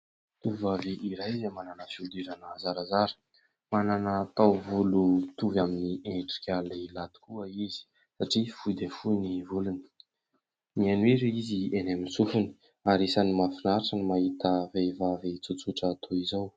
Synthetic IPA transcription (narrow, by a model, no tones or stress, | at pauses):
t̪uvvaviʔiɾajzemananəfiud̪iɾanəzaɾazaɾə̥ | mananaːt̪awvulut̪uvaminieʈ͡ʂi̥kʲalilat̪i̥kuəizi̥ | saʈ͡ʂifud̪efunivuluni̥ | mianwiɾiizienaminsufuni̥ | aɾisanimafinaɾaʈ͡ʂənimaɦit̪əvevavit͡sut͡suʈ͡ʂaːt̪ʰoizaw